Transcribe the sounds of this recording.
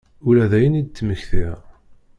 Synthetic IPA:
ulæðæjənid̪̚t̪ːməçθiɾ

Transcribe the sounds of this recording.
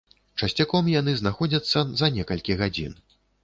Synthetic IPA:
t͡ʂɐsʲt͡sʲakɔmjan̪ɨznaxɔd͡zʲɐt̪sːɐzɐnʲɛkɐlʲkʲiɣad͡zʲḭn

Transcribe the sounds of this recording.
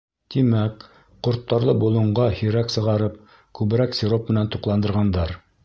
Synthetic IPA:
t̪imæk | qŏɾt̪ːɑɾlˠɤbulˠɤ̆ɴʁɑhiɾæksɤ̆ʁɑɾɤp̚ | kʉβɘ̆ɾæksʲɪɾop̚mɘ̆nænt̪uqlˠɑnd̪ɤ̆ɾʁɑnd̪ɑɾ

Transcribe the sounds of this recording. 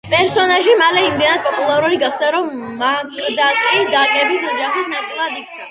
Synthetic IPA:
pʼɛɾsɔnaʒimalɛimd̪ɛnad̪̚pʼɔpʼulˠaɾuliɡaχd̪aɾɔmːakʼd̪akʼid̪akʼɛbisɔd͡ʒaχisnat̪sʼilˠad̪ik̚ʰt̪sʰa

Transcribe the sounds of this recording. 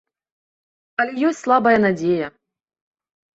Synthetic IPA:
ɐlʲɛjɔsʲtʲslˠabɐjɐnad͡zʲejɐ

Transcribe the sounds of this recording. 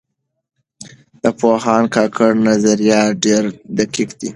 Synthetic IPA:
d̪̥əpoɦɑnkɑkʰəɽnazaɾjɑɖeɾd̪akikd̪̥i

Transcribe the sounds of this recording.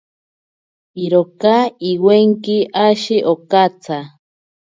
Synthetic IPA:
iɾokaiweŋkiʔaʃiʔokat͡sʰa

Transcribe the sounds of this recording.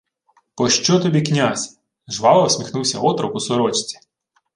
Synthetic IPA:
pɔʃt͡ʃɔt̪ɔbʲiknʲazʲ | ʒʋɑlˠɐwsʲmʲixnuwsʲɐɔt̪ɾɔkʊsɔɾɔt͡ʃt͡sʲi̥

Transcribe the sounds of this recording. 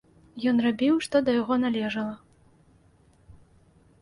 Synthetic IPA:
jɔnrabʲiwʂt̪ɔd̪ɐjaɣɔnalʲɛʐɐlˠɐ

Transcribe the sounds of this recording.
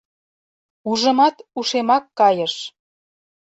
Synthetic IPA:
uʒə̆mɑt̪uʃemɑkːɑjə̆ʃ

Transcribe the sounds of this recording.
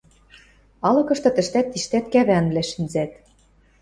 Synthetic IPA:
ɑlɤ̆kɤ̆ʃt̪ɤ̆t̪ɘ̆ʃt̪æt̪ːiʃt̪æt̪kæβæɑnβlæʃinzæt̪

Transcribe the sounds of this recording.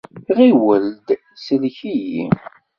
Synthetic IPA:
ʁiwəld̪ | səlçijḭ

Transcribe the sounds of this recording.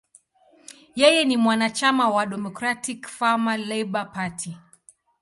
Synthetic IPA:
jɛjɛnimwanat͡ʃamawaɗɛmɔkɾatikfamalɛjɓapatʰi

